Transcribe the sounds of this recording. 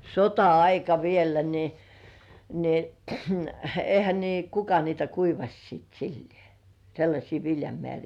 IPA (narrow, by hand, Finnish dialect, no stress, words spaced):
sotɑɑikɑ ʋielːæ ni ni ehæ niː kukɑ niːtæ kuiʋɑsʲ siˑt silːĭeˑ selːɑsʲiː ʋiljɑmĕæˑriː